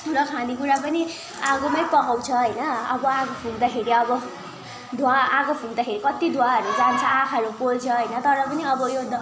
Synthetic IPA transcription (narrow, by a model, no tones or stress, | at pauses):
tʰuɾʌkʰãd̪ikuɾapʌni | ãɡomʌjpʌkawt͡sʰʌɦʌjnʌʌbʌãɡopʰuɡd̪akʰeɾiʌbʌ | d̪ʱwaãɡopʰuɡd̪akʰeɾikʌt̪id̪ʱwaɦʌɾud͡zant͡sʰʌãkʰʌɾupolt͡sʰʌɦʌjnʌt̪ʌɾʌpʌniʌbʌjod̪